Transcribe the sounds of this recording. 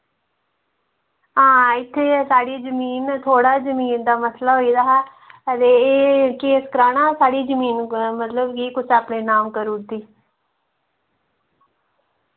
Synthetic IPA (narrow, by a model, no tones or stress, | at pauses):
ɦãːɪt̪ʰːeːsaːɽiːzəmiːnt̪ʰoːɽaːzəmiːnd̪aːməslaːɦoːiːd̪aːɦɛː | t̪eːkiɪskɾaːɽ̃ãːsaːɽiːd͡ʒəmiːnmət̪ləbkiːkʊt͡ʃʰaːpɳeːnaːmkəɾuːd̪iː